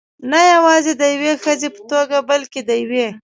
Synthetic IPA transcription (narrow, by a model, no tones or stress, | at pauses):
najawɑzed̪əjwexəzepə̥t̪oɡabalked̪əjwe